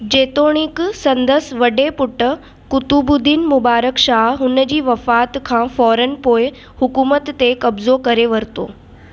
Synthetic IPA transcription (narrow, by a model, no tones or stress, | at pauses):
d͡ʑeːt̪oːɽ̃iksɐ̃nd̪əsʋɐɖepʊʈə | kʊt̪ubʊd̪iːnmʊbaːɾəkʃaːɦɦʊnəd͡ʑiːʋɐfaːt̪kʰãːfɔːɾənpoːɪ | hʊkuːmət̪ːekɐbzokɐɾeʋɐɾt̪o̰ː